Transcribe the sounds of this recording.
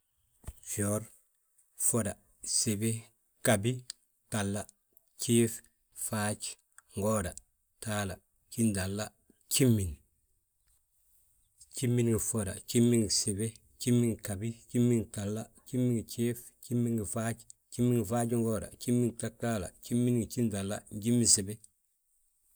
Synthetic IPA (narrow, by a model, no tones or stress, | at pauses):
fioːɾ | foda | sebe | kabi | kalːa | t͡ʃiːf | faːt͡ʃ | ŋɡoːda | taːla | t͡ʃindalːa | t͡ʃimːin | t͡ʃimːinɡifoɾa̰t͡ʃimːiŋɡisebe | t͡ʃimːiŋkabit͡ʃimːiŋtalːat͡ʃimːiŋt͡ʃiːf | t͡ʃimːinɡifat͡ʃt͡ʃimːiŋɡifaːt͡ʃŋɡoːɾa̰t͡ʃimːiŋtataːla̰t͡ʃimːinŋit͡ʃindalːa̰ɲɟimːisebe